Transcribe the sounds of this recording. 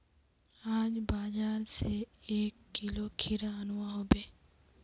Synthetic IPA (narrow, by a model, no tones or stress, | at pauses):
aːd͡ʒbaːzaːɾseeːkːilokʰɪɾaənʊʋaɦoːbeː